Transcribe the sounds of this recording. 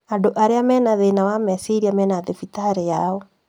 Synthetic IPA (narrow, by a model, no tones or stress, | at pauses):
andoʔaɾeamɛnaðenawamɛsiɾiamɛnaðefitaɾejaɔ